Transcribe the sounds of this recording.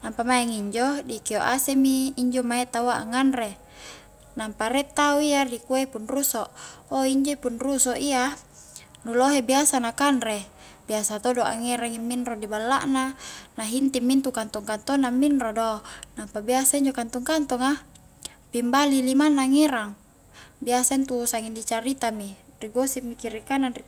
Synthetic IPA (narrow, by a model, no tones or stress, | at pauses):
nampamaaŋiɲd͡ʒodikioʔasemiːɲd͡ʒomaɛt̪awaʔa̰ŋanre | nampaɾɛt̪auiadikuepunrusoʔoiɲd͡ʒoipunrusoʔia | nuloɦebiasanakanre | b̥iasat̪odoʔa̰ŋiɾaŋimːinɾodibalːa̰ʔnanaɦint̪imːint̪ukant̪ɔŋkant̪ɔnamːinrodonampabiasaiɲd͡ʒokant̪uŋkant̪ɔŋa | pimbalilimanːaːŋiɾaŋ | biasaint̪usaŋindit͡ʃaɾit̪ami | riɡosimikiɾikananri